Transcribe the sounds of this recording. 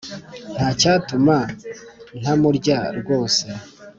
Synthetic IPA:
n̥haːcaːtuma | n̥hamuɾɟaɾɡo̞ːse

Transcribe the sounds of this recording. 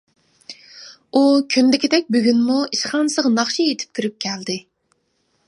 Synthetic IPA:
ukʲʰynd̪ɪkʲid̪ɛk̚ʲbøɡʲynmuiʃχɑnsəʁnɑχʃiet̪ʰɪ̥p̚t̪ʰyɾyp̚kʲʰɛld̪ɪ

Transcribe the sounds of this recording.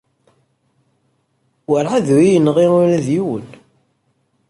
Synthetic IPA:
wəɾʕaðwijənʁiʊɾæðjiwə̰n

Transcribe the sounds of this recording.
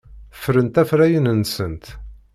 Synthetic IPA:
fɾənt̪æfɾæjənənsənt̪

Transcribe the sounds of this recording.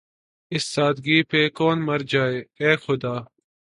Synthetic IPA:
ɪsːaːd̪ɡiːpeːkoːnmɐɾd͡ʑaːeːeːxʊd̪aː

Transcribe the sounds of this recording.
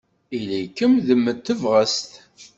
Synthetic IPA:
ilikːəmðəmːət̪ːəvʁəst̪

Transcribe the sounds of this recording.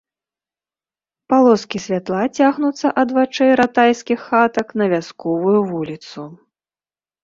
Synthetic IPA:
palˠɔskʲisʲvʲat̪lˠat͡sʲaɣnut̪sːɐʔɐd̪vat͡ʂɛjɾat̪ajskʲixːat̪ɐknɐvʲaskɔvujuvulʲit̪su

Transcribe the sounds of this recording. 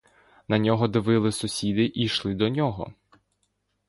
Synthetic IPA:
nɐnʲɔɦɔd̪ɪʋɪlˠɪsʊsʲid̪ɪʔiʃlˠɪd̪ɔnʲɔɦɔ̰

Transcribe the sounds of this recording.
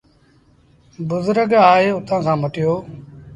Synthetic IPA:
bʊzʊɾəɡaːɦeːʊt̪ãːkʰãːməʈɪjoː

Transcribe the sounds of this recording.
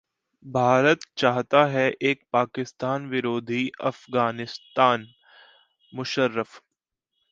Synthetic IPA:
bʱaːɾət̪t͡ʃaːɦt̪aɦɛʔeːk̚paːkɪst̪aːnʋɪɾoːd̪ʱiɐfɡaːnɪst̪aːn | mʊʃəɾːəf

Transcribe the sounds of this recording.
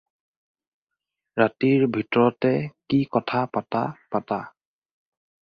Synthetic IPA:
ɹatiɹbʱitɔɹɔtɛkikɔtʰapatapata

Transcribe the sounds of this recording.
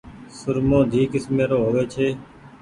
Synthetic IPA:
sʊɾmõːd̪ʱiːkɪsmeːɾoːɦoːʋeːt͡ʃʰeː

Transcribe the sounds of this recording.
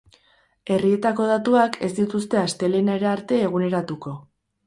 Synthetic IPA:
e̞rie̞t̪ako̞ð̞at̪uakʰe̞sd̪it̪ust̪e̞ast̪e̞lenaeɾeaɾt̪e̞ːɣ̞une̞ɾat̪uko̞

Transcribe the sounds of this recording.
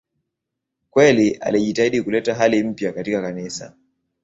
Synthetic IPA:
kwɛliʔa̰liʄitaiɗikulɛtaɦalim̩pjakatikakanisa̰

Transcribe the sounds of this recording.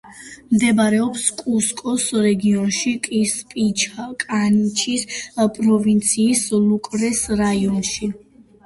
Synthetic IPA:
md̪ɛbaɾɛɔpskʼuskʼɔsɾɛɡiɔnʃikʼispʼit͡ʃʰakʼanit͡ʃʰispʼɾɔvint̪sʰiːslukʼɾɛsɾaiɔnʃi

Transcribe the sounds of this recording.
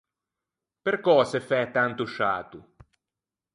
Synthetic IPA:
peɾkɔːsefɛt̪ant̪uʃa̰ːt̪u

